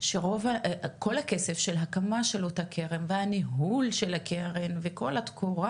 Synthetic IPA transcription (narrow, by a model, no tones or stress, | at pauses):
ʃeʁo̞vako̞lhake̞sefʃelɦakamaʃelot̪akʰeʁemveaniɦulʃelakeʁenveko̞lat̪kʰuʁa